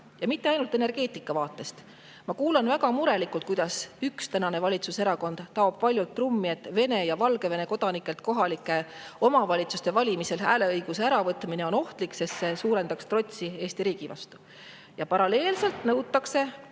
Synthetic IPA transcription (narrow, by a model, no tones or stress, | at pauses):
jɑmit̪ːeɑjnult̪ːˑe̞ne̞rɡ̥e̞ːt̪ːˑikːˑɑvɑːt̪ːˑe̞st̪ | mɑkuːlɑnvæɡɑmuɾe̞likˑult̪̚kujd̪̥ɑsykst̪ænɑne̞vɑlʲit̪suseɾɑko̞nd̪̥t̪ːɑob̥̚pɑlʲjult̪ːˑrumːie̞t̪ːˑve̞ne̞jɑvɑlɡ̥e̞ve̞ne̞ko̞d̪̥ɑnikːˑe̞lt̪ko̞ɦɑlikːˑe̞o̞mɑvɑlʲit̪sust̪e̞vɑlʲimise̞læːle̞ɤjɡ̥use̞æɾɑvɤt̪mine̞o̞no̞ht̪likse̞sse̞suːɾe̞nd̪̥ɑkst̪ro̞t̪ʲsie̞ːst̪iɾiːɡ̥ivɑ̰st̪u̥ | jɑpɑɾɑle̞ːlse̞lt̪nɤwt̪ːˑɑkse̞